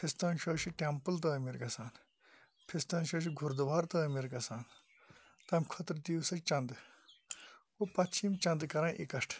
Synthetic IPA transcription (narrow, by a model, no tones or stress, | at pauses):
pʰist̪ɐ̃ːnʃʰoːʃʰiʈempəlt̪̬ɐːmiɾɡɐsaːn | pʰist̪ɐ̃ːnʃʰoːʃ̬ʰiɡʱʊɾd̪ʋaːɾt̪ɐmiɾɡɐsaːn | t̪ɐmʲkʰɔt̪ɾd̪iːwsɐt͡ʃɐ̃nd̪ɨ | opɐt̪t͡ʃʰiːmt͡ʃɐ̃nd̪ɨkɐɾãːʔikɐʂʈʰ